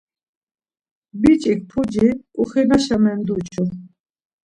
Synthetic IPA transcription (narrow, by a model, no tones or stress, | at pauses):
bit͡ʃʼik̚pʰud͡ʒikʼuχɛnaʃamɛnd̪ut͡ʃʰɔ